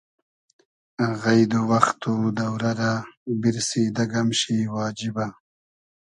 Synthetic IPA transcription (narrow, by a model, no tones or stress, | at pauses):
ɣajd̪uwɐxt̪ud̪awɾaɾabiɾsid̪ɐɡamʃiwɑːd͡ʒiba